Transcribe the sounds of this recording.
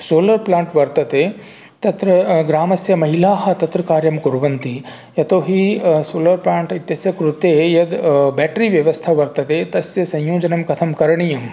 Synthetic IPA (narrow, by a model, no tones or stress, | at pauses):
soːlɐɾplaːɳʈʋɐɾt̪ɐt̪eː | t̪ɐt̪ɾɐɡɾaːmɐsjɐmɐɦilaːɦɐ̆t̪ɐt̪ɾɐkaːɾjɐmkuɾʋɐnt̪i | jɐt̪oːɦisoːlɐɾplaːɳʈit̪jɐsjɐkɾut̪eːjɐd̪bɛːʈɾiʋjɐʋɐst̪ʰɐʋɐɾt̪ɐt̪eːt̪ɐsjɐsɐ̃jjoːd͡ʒɐnɐmkɐt̪ʰɐmkɐɾɐɳijɐm